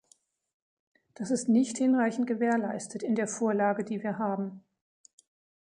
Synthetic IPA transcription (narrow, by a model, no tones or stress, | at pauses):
d̥asɪstnɪçthɪnʁaɪçn̩t̚ɡ̥əveːɐlaɪstʰətɪndeːɐfoːɐlaːɡədiːviːɐɦaːbm̩